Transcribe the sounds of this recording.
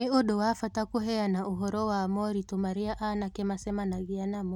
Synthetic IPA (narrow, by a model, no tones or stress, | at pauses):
iɔɗɔwafatakuɦɛanauɦɔɾɔwaːmɔɾitɔmaɾiaʔanakɛmasɛmanaɣianamɔ